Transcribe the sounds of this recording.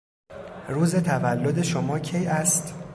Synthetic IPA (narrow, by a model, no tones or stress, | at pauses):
ɾuːze̞t̪ʰævælːo̞d̪e̞ʃomɒːcʰe̞jæst̪